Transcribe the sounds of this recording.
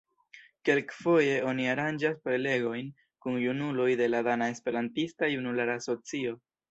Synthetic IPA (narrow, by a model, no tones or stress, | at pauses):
ke̞lkfo̞je̞o̞niaɾand͡ʒaspɾe̞le̞ɡo̞jn | kunjunulo̞jde̞ladanae̞spe̞ɾantistajunulaɾaːso̞t͡sio̞